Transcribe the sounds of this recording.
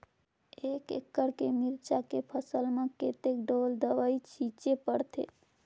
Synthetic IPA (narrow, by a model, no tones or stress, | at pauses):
ekḛkːəɾkemiɾt͡ʃakepʰəsəlmeket̪ekɖold̪əʋəit͡ʃʰit͡ʃepəɽt̪ʰḛ